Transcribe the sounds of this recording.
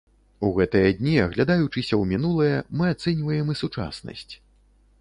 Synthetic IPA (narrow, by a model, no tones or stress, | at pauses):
uɣɛt̪ɨjɐd̪ʲnʲiɐɣlʲad̪ajut͡ʂɨsʲɐwmʲinulˠɐjɛmɨat̪sɛnʲvɐjɛmɨsut͡ʂa̰snɐ̰sʲt͡sʲ